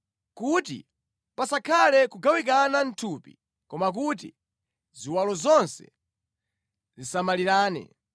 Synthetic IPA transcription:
kutḭ | pasakʰalɛkuɡawik̬anan̩tʰupḭ | kɔmak̬ut̬ḭ | ziwalɔzɔnsɛ̥̰ | zisamaliɾaːnɛ̰

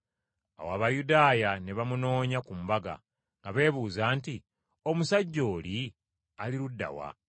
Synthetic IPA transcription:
a̰waβajudaːjane̞βamuno̞ːɲakumbaɡa̰ | ŋɡaβe̞ːβuːzaːnti | o̞musaɟːo̞ːli | aliɾudːa̰wa̰

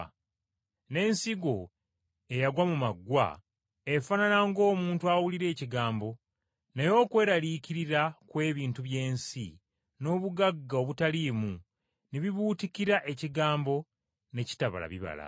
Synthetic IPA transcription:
ne̞ːnsiɡo̞ | e̞jaɡwamumaɡːwa̰ | efananaŋɡo̞ːmuːntuawuliɾe̞ːciɡaːmbo̞ | najo̞ːkwe̞ːɾaliːciɾiɾakwe̞ːβiːntuβje̞ːnsi | no̞ːβuɡaɡːaoβutalimu | neβiβuːticiɾaʔe̞ciɡaːmbo̞ | ne̞ci̥taβa̰la̰βiβa̰la̰

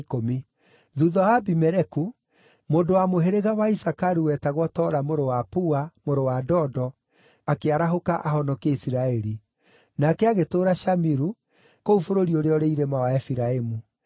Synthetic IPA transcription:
komi | ðuðɔwabimɛɾɛku | moːndowamoɦeɾeɣawaisakaɾuwɛtaɣwɔtɔɾamoɾowapuamoɾowadɔdɔ | akeaɾaɦokaʔaɦɔnɔkeisiɾaɛɾi | nakɛaɣetoːɾaʃamiɾu | koufoɾoɾioɾeɔɾeiɾemawaɛfiɾaemu

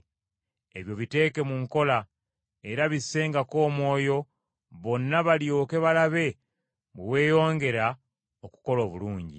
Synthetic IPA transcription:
e̞βjo̞βite̞ːke̞muŋko̞la | e̞ɾaβisːe̞ŋɡako̞ːmwo̞ːjo̞ | βo̞nːaβaljo̞ke̞βalaβe̞ | ɡewe̞ːjo̞ːŋɡe̞ɾa | oku̥ko̞lo̞ːβuluːɲɟḭ

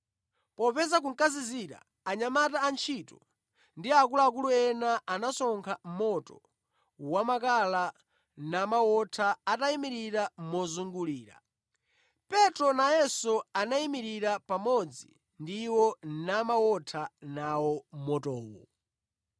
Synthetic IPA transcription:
pɔpɛzak̬uŋ̩kaziziɾa̰ː | ɲamataːnt͡ʃʰitɔ | ndiakulaːk̬uluɛnaanasɔŋkʰam̩mɔtɔ̰ | wamakala | namawɔtʰaataimiɾiɾamɔzuŋɡuliːɾa̰ | pɛtɾɔnajɛsɔanaimiɾiɾapamɔd͡zi | ndiwɔnamawɔtʰanawɔmɔtɔːwɔ̰

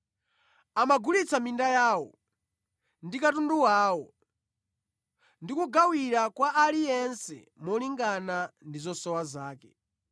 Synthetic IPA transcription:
amaɡulit͡samindajaːwɔ̰ | ndikatunduwaːwɔ | ndikuɡawiɾakwaʔalijɛnsɛ̰ | mɔliŋɡanandizɔsɔwazaːkɛ

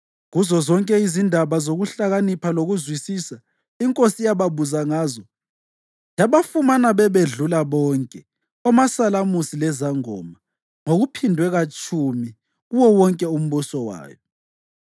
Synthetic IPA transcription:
ɣuzɔzɔŋkʼɛizindʱaβazoɣuɬaɣanipʰaloɣuzwisiːsa | iŋkʼosijaβaβuzaŋaːzɔ | jaβafumanaβɛβeɮulaβɔːŋkʼɛ | ɔmasalamusilɛzaŋɔ̰ːma | ŋoɣupʰindʱwɛɣat͡ʃʼumi | ɣuwɔwɔŋkʼɛum̩βusɔwa̰ːjɔ

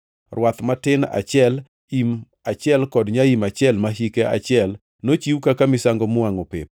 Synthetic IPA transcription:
rwat̪matɪna̰t͡ʃjɛl | im | at͡ʃɪɛlkɔdɲaimat͡ʃjɛlmaɦikea̰t͡ʃɪɛl | not͡ʃiwkakamɪsaŋɡɔmʊaŋopɪ̰p̚

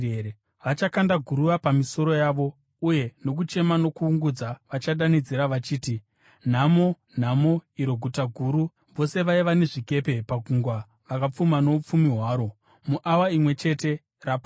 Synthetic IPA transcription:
e | ʋat͡ʃakandaɡʱuɾuʋapamiso̞ɾo̞jaːʋo̞ | uje̞no̞k̬ut͡ʃe̞mano̞kuːŋɡud͡zaʋat͡ʃaɗanid͡ziɾaʋat͡ʃiːti | n̤amo | n̤amoiɾo̞ɡʱutaɡʱuɾu | ʋo̞se̞ʋaiʋane̞ʐike̞pe̞paɡʱuŋɡwa | ʋakap͡fumano̞up͡fumiɦwaːɾo̞ | muʔawaimwe̞t͡ʃe̞te̞ | rapa

